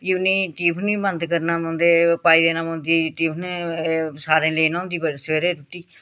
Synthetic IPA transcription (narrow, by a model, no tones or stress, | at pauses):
jɪʊniːt̪iːpʰnĩːbənd̪kəɾnaːmõːnd̪eːpaːiːd̪eːnãːmõːnd̪iːt̪iːpʰn | saːɾẽːleːnãːnd̪iːbəsʋeːɾeːɾut̪iː